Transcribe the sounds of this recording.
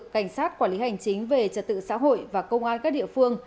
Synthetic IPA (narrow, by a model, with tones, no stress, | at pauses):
kːa˧˩jŋ̟saː˦˥t̚kwaː˧˩nli˨˦ha˨˩jŋ̟t͡ɕï˨˦ŋ̟ve˨˩t͡ɕə˨˩t̚t̪ːɨ̰˧˨sa̰ː˧˥ɦo̰˧˨jvaː˨˩kə˧wŋ͡mʔaː˧nkaː˦˥k̚ɗḭ˧˨əfɨ˧əŋ